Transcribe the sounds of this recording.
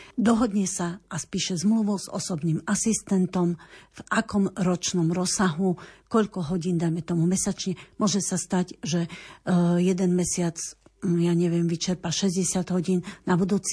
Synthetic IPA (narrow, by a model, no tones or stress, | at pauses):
d̪ɔɦɔd̪ɲɛsaaspiːʃɛzmluʋɔʊz̥ɔ̰sɔbniːmasist̪ɛnt̪ɔmv̥ʔakɔmɾɔt͡ʃnɔmɾɔsːaɦukɔʎkɔɦɔɟiːnd̪ajmɛt̪ɔmumɛsat͡ʃɲɛmʊɔʒɛsast̪aɟʒɛ | jɛd̪ɛnmɛsɪat͡sjaɲɛʋɪɛmʋit͡ʃɛɾpaʃɛzɟɛsɪad̪ɦɔɟiːnnabud̪uːt͡s